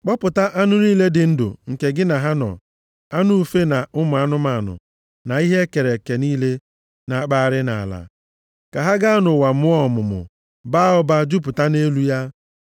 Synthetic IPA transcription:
k͡pɔ˦pʊ˨ta˦ʔa˦nʊ˦niː˦le˦dɪ˨n̩˦dʊ̰˨ŋ̩˨ke˨ɡɪ˦na˨ɦa˦nɔ̰˨ | a˦nʊ˦u˦fe˦na˨ʔʊ˦mʊ˨˦a˦nʊ˦ma˨nʊ̰˨ | na˨i˦ɦe˦ke˨ɾe˨ke˨niː˦le˦ | na˨a˦˨k͡pa˦˨ɾɪ˦na̰˨a̰˨la̰˨ | ka˨ɦa˦ɡa˦a˦nʊ˨wa˨mʊ˦ɔ˦˨mʊ˨mʊ̰˨ | ba˦ɔ˦ba˦d͡ʒu˦p̬ʊ˨ta˦ne˦lu˦ja˦

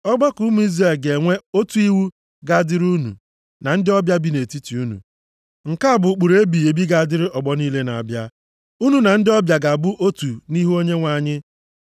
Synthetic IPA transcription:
ɔ˦ɡ͡ba˦ku˦mu˦i˦zra˨lɡe˨ŋʷe˦o˦tu˦i˦wu˦ | ɡa˦˨dɪ˦ɾu˦nṵ˨ | na˨n̩˦dɪ˦ɔ˦bja˦bi˨˦ne˨ti˦ti˨u˦nṵ˨ | ŋ̩˨ka˦a˨bʊ˨k͡pu˨ɾe˦bi˨e˨bi˦ɡa˨a˨dɪ˦ɾɪ˦ʔɔ˨ɡ͡bɔ˦ni˦le˦na˨a˨bja˦ | u˦nu˨na˨n̩˦dɪ˦ɔ˦bja˨ɡa˨bʊ˦ʔo˦tu˨ni˦ɦu˦o˦ɲe˦ŋʷa˨ɲɪ˦

